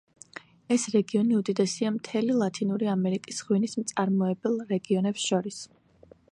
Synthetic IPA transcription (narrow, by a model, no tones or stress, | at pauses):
ɛsɾɛɡiɔniud̪id̪ʼɛsiamt̪ʰɛlilˠat̪ʰinuɾiamɛɾikʼisʁwinismt̪sʼaɾmɔɛbɛlˠɾɛɡiɔnɛpsʃɔɾis